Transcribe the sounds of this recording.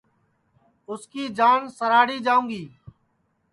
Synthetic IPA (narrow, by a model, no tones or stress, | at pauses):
ʊskiːd͡ʒaːnsəɾaːɽiːd͡ʒaːũːŋɡiː